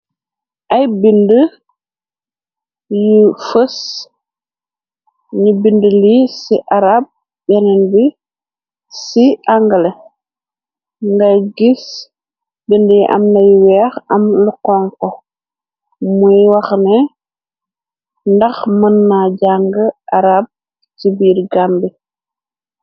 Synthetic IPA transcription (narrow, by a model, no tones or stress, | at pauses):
ʔɐjbində | jifəs | ɲibindəlisiʔaɾab̚ | bɛnɛnbi | siʔaŋɡəle | ŋɡɐjɡis | bindjiʔɐ̰mnɐjwɛːxɐmləkɔŋkɔ | mujwɐxnɛ | ndɐxmənːaɟaŋɡəʔaɾab̚ | tibiːɾɡambi